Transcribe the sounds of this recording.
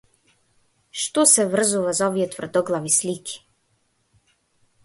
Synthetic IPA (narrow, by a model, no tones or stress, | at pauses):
ʃt̪ɔsɛvr̩zuvazaɔvijɛt̪vr̩d̪ɔɡlˠavislikʰi̥